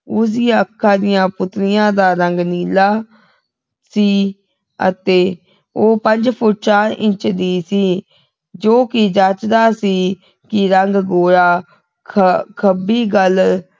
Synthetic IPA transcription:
ʊsɪjãːəkʰːãːd̪ɪjãːpʊt̪ɾɪjãːd̪aːɾəŋɡniːlaː | siː | ə̰t̪eː | oːpəɲd͡ʒpʰʊʈʃãːʔɪ̃t͡ʃd̪iːsiː | d͡ʒoːkɪd͡ʒat͡ʃd̪aːsiː | kɪɾəŋɡɡoːɾaː | kʰəkʰəbiːɡəl

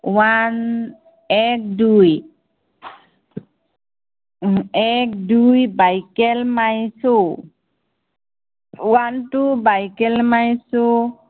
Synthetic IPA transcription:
wan | ɛk̚duj | ɛk̚dujbajkɛlmajso | wantubajkɛlmajso

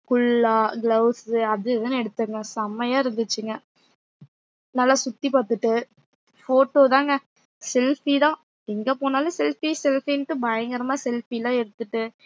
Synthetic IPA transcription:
kʊɭːaːɡlɐʊsɯɐðɯɛðɐɛɽɯt̪ːɯŋɡɐsɐmɐjaːɪɾɯnd̪ɯt͡ʃːɯŋɡɐ | nɐlːasʊt̪ːipaːt̪ɯʈːɯ | foːʈːoːt̪ãːŋɡɐ | sɛlfit̪ãː | ɛŋɡɐpoːnaːlɐsɛlfisɛlfinʈːɯbɐjɐŋɡɐɾɐmaːsɛlfilãːɛɽɯt̪ːɯʈːɯ

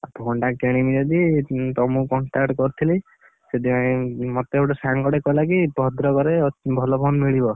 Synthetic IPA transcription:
abʱoɳʈakeɽ̃imid͡ʒɔd̪it̪ɔmũkɔɳʈakʈkɔɾt̪ʰili | sed̪iaĩmɔt̪eɽɔsaŋkɔɽekɔlakibɔd̪ɾɔkɔɾebʱɔlɔpʰonmiɭibɔ

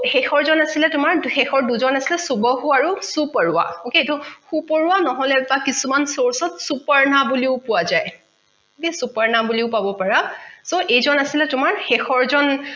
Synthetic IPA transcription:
xɛxɔɹzɔnasilɛtʊmaɹxɛxɔɹduzɔnasilɛsubɔhuaɹusupɔɹuwa̰oketuxupɔɹuwanɔɦɔlɛbakisumansoɹsɔtsupaɹnabuliʊpʊwazaj | disupaɹnabuliʊpabɔpaɹasoʔejzɔnasilɛtʊmaɹxɛxɔɹzɔn

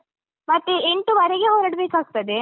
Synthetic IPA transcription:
mɐt̪ːeeɳʈuʋɐɾeɡeɦoɾɐɽbeːkaːɡ̚t̪ɐd̪e

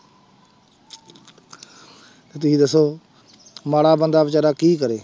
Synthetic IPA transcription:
t̪eːt̪ʊsĩːd̪əsːoː | maːɽaːbənd̪aːbɪt͡ʃaːɾaːkiːkəɾeː

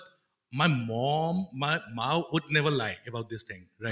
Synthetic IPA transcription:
t̚ | majmɔ̃mmajmawwʊd̚nɛvəlaɪkebawt̚dist̪ʰɪ̃ŋɹa

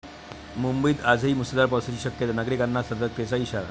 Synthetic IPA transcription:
mumbəiːt̪ad͡zɦiːmusəd̪aɾp̬awsət͡ɕiːɕəkjət̪nəɡɾikanːasəɾd̪ək̚t̪et͡saiɕaɾa̰

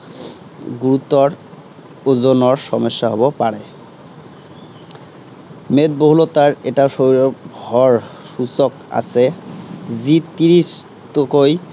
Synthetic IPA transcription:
ɡuɾut̪ɔɾ | ozonɔɹʃɔmɔʃːaɦɔbɔpaɽe | met̪̚boɦulot̪aɹeʈaʃoɾɔbʱɔɹ | ʃusɔka̰sʰe | zit̪iɾis | t̪okoj

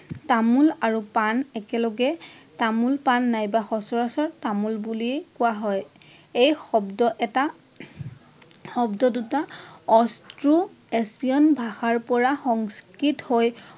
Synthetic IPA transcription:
tamulaɹupanɛkɛlɔɡɛtamulpanːajbaxɔsɔɹasɔɹtamulbuliɛkʊwaɦɔj | ejxɔbdɔʔɛta | xɔbdɔdutaɔstɹu | esiɔnbʱaxaɹpɔɹaxɔŋskɹithoj

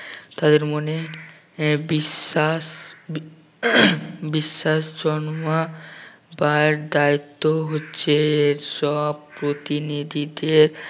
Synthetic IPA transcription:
t̪ad̪eɾmone | bia | biʃːaʃd͡ʑɔnma | baɾd̪ait̪ːoɦotːɕʰeʃɔbpɾot̪inid̪ʱid̪eɾ

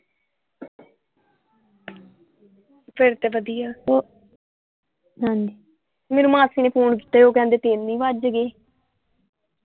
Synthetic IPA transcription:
pʰɪɾt̪eːʋəd̪ijaːo | ɦãːɲd͡ʒiː | meːnũːmãːsiːneːpʰoːɳk̬iːt̪eːoːkɛ̃ːnd̪eːt̪eːnnĩːʋad͡ʒɡeː

